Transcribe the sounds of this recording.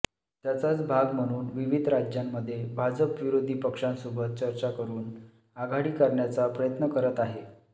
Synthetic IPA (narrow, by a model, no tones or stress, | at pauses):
t̪jat͡sat͡sbʱaɡm̤əɽ̃uːnʋiʋid̪ʱɾad͡ʑjamːəd̪ʱːjebʱad͡zəpʋiɾod̪ʱiːpəkʂãnsobʱət̪̚t͡ɕəɾt͡ɕakəɾuːn | aɡʱaɽiːkəɾɳjat͡sapɾəjət̪nəkəɾət̪aɦe